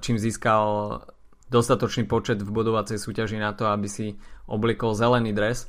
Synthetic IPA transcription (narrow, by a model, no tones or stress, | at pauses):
t͡ʃiːmziːskal | d̪ɔst̪at̪ɔt͡ʃniːpɔt͡ʃɛd̪vbud̪ɔʋat͡sɛjsuːcaʒinat̪ɔabisiʔɔblɪɛkɔlzɛlɛniːd̪ɾɛs